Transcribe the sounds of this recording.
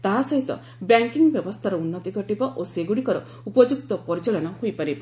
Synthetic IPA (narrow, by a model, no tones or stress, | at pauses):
t̪aɦasɔɦit̪ɔ̰ | bjaŋkiŋbjɔbɔst̪ʰaɾɔunːɔt̪iɡɔʈibɔʔoseɡuɽikɔɾɔ | upɔd͡ʒuk̚t̪ɔpɔɾit͡ʃɔlɔnɔhojpaɾi